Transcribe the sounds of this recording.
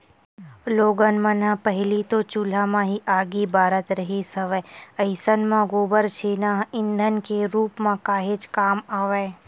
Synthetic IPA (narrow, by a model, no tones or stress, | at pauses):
loːɡənmãnapəɦɪlit̪ot͡ʃuːl̤amãɦiʔaːɡibaːɾət̪ɾəɦisəʋeəɪsənmãɡoːbəɾt͡ʃʰenaɦɪ̃nd̪ʱənkeɾuːpmãkaːɦet͡ʃkaːmaːʋeː